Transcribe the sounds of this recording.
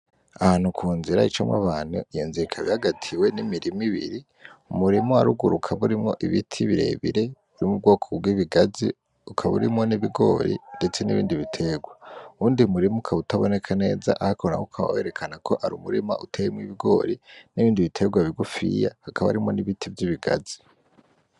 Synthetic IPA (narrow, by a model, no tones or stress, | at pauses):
ahaːn̥hukʰuːnziɾait͡ʃo̰mwa̰βaːnuijonziikʰaβihaɡatʰiwenimiɾimiβḭɾi | umuɾimoaɾuɡuɾukʰaβuɾimŋo̞ʔiβitʰiβiɾe̞̰ːβḭɾe̞βuɾimub̚ɡo̞ːkʰoɡwiːβiɡazi | ukʰaβṵɾimŋo̞niβiɡo̞ɾḭnde̞t͡se̞nḭβḭːndiβitʰe̞ːɡwauːndiumuɾimukʰaβutaβo̞ne̞kʰane̞ːza̰ʔahakaona̰ukʰaβa̰we̞ɾe̞kʰanakʰo̞ʔaɾṵmuɾima̰ʔutʰejimŋiβiɡo̞̰ːɾiniβiːndiβitʰe̞ɡwaβiɡufḭjahakʰaβa̰ɾimŋo̞niβitʰivjiβiɡa̰zi